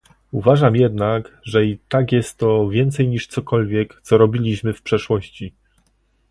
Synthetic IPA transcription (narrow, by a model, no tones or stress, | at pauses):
uvaʐamjɛd̪nakʐɛit̪akjɛst̪ːɔvʲjɛnt̪sɛjɲiʂt̪sɔkɔlvʲjɛkt̪sɔɾɔbʲilʲiɕmɘfpʂɛʂwɔɕt͡ɕi